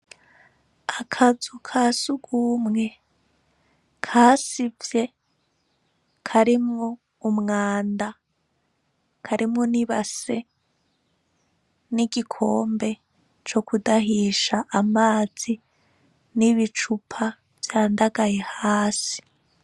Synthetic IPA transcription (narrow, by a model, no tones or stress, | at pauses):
akʰazukʰasuɡ̥uːmŋe̞ | kʰaːsivje̞ | kʰaɾimŋo | umŋaːnda | kʰaɾʔimŋoniβase̞ | niɟikʰo̞ːmbe̞ | t͡ʃo̞kudahiːʃaʔːmaːz̥i | niβit͡ʃupʰa | vjaːndaɡaje̞haːsi̥